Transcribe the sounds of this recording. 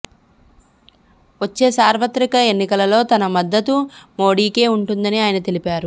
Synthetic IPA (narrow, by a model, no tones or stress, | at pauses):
ʋot͡ʃːe̞ːsaːɾʋɐt̪ɾikɐe̞nːikɐlɐlo̞ːt̪ɐnɐmɐd̪ːɐt̪umo̞ːɽiːke̞ːuɳʈund̪ɐniaːjɐnɐt̪e̞lipaːɾu